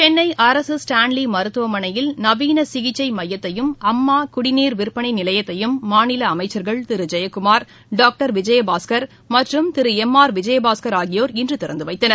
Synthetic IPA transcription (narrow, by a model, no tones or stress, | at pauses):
t͡ʃɛnːɐɪʔɐɾɐsɯsʈaːnlimɐɾɯt̪ːɯʋɐmɐnɐjɪlnɐʋiːnɐsɪɣɪt͡ʃːɐɪmɐjːɐt̪ːɐjɯmɐmːaːkʊɽɪniːɾʋɪɾpːɐɳiɪnɪlɐjɐt̪ːɐjɯmːaːnɪlɐːmɐɪt͡ʃːɐɾɣɐɭt̪ɪɾɯd͡ʒɐjɐkːɯmaːɾ | ɖaːk̚ʈɐɾʋɪd͡ʒɐjɐbaːskɐɾ | mɐʈrɯmt̪ɪɾɯɛmːaːɾʋɪd͡ʒɐjɐbaːskɐɾaːɣɪjoːɾɪndrɯt̪ɪɾɐnd̪ɯʋɐɪt̪ːɐnɐɾ